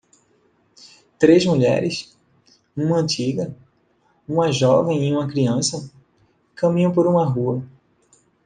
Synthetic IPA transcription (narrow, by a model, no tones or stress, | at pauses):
t̪ɾezmuʎɛ̰ɾɪs | ũmɐɐ̃nt͡ʃiɡɐ | ũmɐʒɔvẽj̃iũmɐkɾiɐ̃sɐ | kɐ̃mĩɲɐ̃w̃poɾũmɐɦuɐ